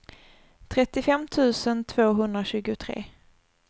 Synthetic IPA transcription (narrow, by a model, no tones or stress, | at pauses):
t̪ʰɾɛt̪ːɪfɛmt̪ʰʉ̟ːsənt̪ʰv̥oːɦɵnd̪ɾaɕʉ̟ːɡʊt̪ʰɾḛː